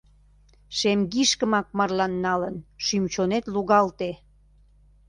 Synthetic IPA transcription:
ʃemɡiʃkəmɑk̚mɑrlɑnːɑlənʃymt͡ɕonet̪luɣɑlt̪e

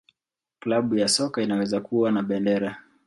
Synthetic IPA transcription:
klaɓujasɔkainawɛzakuwanaɓɛndɛɾa

